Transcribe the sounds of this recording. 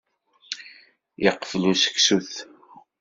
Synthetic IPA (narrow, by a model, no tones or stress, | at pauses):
iqːfəlusə̥ksuθ